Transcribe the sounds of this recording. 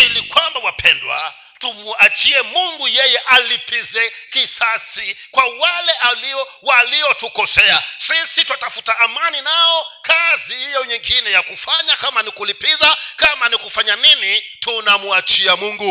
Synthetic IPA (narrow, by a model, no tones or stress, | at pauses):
ilikwambawapʰɛndwa̰ | tumuat͡ʃiɛmuŋɡujɛjɛʔalipizɛkisasikwawalɛʔaliɔ | waliɔtukɔsɛasisituatafu̥taʔːmaninaɔkazihijɔɲiŋɡinɛjakufaɲakamanikulipizakamanikufaɲaninitunamuat͡ʃiamuŋɡu